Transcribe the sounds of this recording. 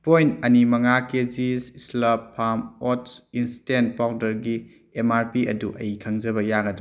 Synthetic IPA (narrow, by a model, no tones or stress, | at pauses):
pojntɐnimɐŋaked͡ʒisislɐpʰamotsinstent̚pawdɐɾɡi | emaɾpiɐ̰duʔɐjkʰɐŋzɐbɐjaɡɐdu